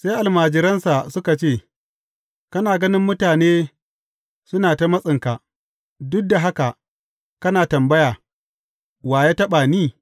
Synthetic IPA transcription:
se˦ʔa˨lmaː˨d͡ʒɪ˨˦ɾɐ˦nsa˨sʊ˦ka˨t͡ʃeː˦˨ | kɐ˦naː˨ɡɐ˦nɪ˦mːʊ˦taː˨neː˦ | sʊ˦naː˨ta˦mɐ˦sʼɪ˨ŋka˨ | dʊ˦k̚da˨ɦa˦ka˨ | kɐ˦naː˨tɐ˨mbɐ˦jaː˨ | waː˨ja˦tɐ˦ɓaː˨niː˦˨

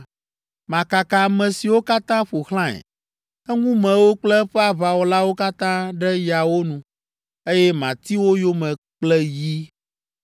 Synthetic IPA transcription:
mã˨ka˨ka˨mɛ̃˨si˨wo˦ka˦t̪ã˦ɸo˨xlã˦ɛ̰˨ | ɛ˦ŋũ˦mɛ̃˨wo˦k͡plɛ˦ɸɛ˦a˦˨βa˨wo˦la˦wo˦ka˦t̪ã˦ɖɛ˦ja˨wo˦nũ˨ | e˦jɛ˦mã˨t̪i˦wo˦jo˦mɛ̃˨ | k͡plɛ˦ji˦

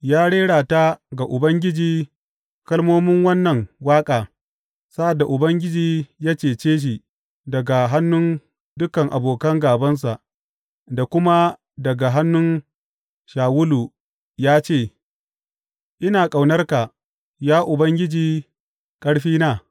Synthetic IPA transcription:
jaː˦ɽeː˦ɽaː˨ta˦ɡa˨ʔʊ˨bɐ˦ŋɡʲɪ˦d͡ʒiː˨ | kɐ˦lmoː˦mɪ˦ŋwɐ˦nːɐ˨ŋwaː˦kʼaː˨ | sa˦ʔa˨dːa˨ʔʊ˨bɐ˦ŋɡʲɪ˦d͡ʒiː˦jaː˦t͡ʃeː˨t͡ʃeː˦ʃ̬i˨ | dɐ˨ɡa˨ɦa˦nːʊ˦n | dʊ˦kɐ˨ŋʔa̰˨boː˨kɐ˦ŋɡaː˨bɐ˦ns̬a˨ʔ | da˨kʷʊ˦ma˦ | dɐ˨ɡa˨ɦa˦nːʊ˦n | ʃaː˨wʊ˦lu˨ | jaː˦t͡ʃeː˦˨ | ʔɪ˦naː˨kʼa˨wnɐ˦rka˨ | jaː˦ʔʊ˨bɐ˦ŋɡʲɪ˦d͡ʒiː˨ | kʼɐ˦ɽɸiː˦naː˦˨

